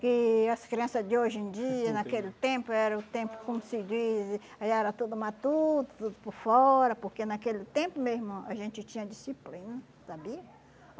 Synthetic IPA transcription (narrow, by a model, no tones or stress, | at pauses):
kɪaskɾeãnsad̪eoʒẽnd̪ianakelt̪ẽmpoɛɾaut̪ẽmpʊ̥komʊsid̪iz | ajaɾat̪ud̪umat̪ud̪ʊt̪ud̪ʊpoɾfoɾapoɾkenakelt̪ẽmpomesmoaʒẽnt͡ʃ̪ɪt͡ʃ̪ĩɲad̪isiplinɐ | sabiɐ